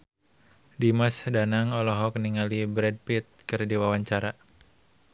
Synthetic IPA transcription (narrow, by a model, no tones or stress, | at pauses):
dimasdanaŋɔlɔɦɔkəniŋalibɾɛd̚pit̪̚kɨrdiwawaɲt͡ʃaɾa